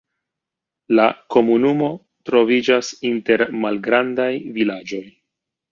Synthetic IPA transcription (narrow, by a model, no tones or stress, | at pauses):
lako̞munumo̞ | tɾo̞vid͡ʒasinte̞ɾmalɡɾandajvilad͡ʒo̞j